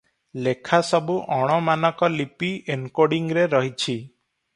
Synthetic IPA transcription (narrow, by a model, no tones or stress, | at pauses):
lekʰasɔbuʔɔɽ̃ɔmanɔkɔlipienkoɽiŋɾeɾɔɦit͡ʃʰi